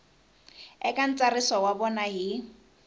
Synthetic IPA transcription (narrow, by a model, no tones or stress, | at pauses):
ɛkʼan̩t͡sʼarɪsɔwabɔnaɦi